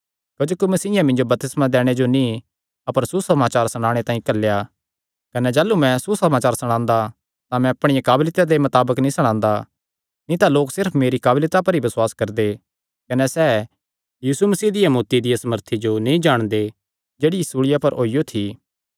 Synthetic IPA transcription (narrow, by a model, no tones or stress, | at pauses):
kɐd͡ʒoːkimɐsiːjãmɪ̃nd͡ʒobɐɾt̪ɪsmãd̪ɛːɽ̃ed͡ʒonĩ | ɐpəɾsusɐmaːt͡ʃaːɾsɐɽ̃aːɽ̃et̪ãːĩkɐlːja | kɐnɛd͡ʒaːlːumɛ̃susɐmaːt͡ʃaːɾsɐɽ̃ãːnd̪a | t̪ãmɛ̃ɐpɽ̃ɪjãkaːblɪt̪ad̪emɐt̪aːbəknĩsɐɽ̃ãːnd̪a | nĩt̪aloːksɪɾpʰmeːɾikaːblɪt̪apɐɾibɐswaːskɐɾd̪e | kɐnɛsɛː | jiːsumɐsiːd̪ɪjamoːt̪id̪ɪjasɐməɾt̪ʰid͡ʒonĩĩd͡ʒaːɽ̃d̪e | d͡ʒeːɽiɪsuːɽɪjapɐɾoːijot̪ʰi